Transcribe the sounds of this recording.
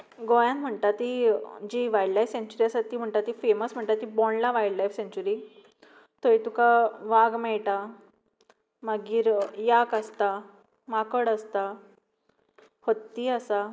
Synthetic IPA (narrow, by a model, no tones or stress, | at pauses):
ɡɔjãnm̤əɳt̪at̪id͡ʑiːʋajɖlajfsẽɲt͡ɕuɾiasat̪iːm̤əɳt̪at̪iːfeməsm̤əɳʈ̪at̪ibɔɳlaʋajɽlajfsẽɲt͡ɕuɾiː | t̪oit̪ukaʋaɡmɛɭʈa | maɡiːɾjakəst̪a | makəɽəst̪a | hət̪ːiːəsa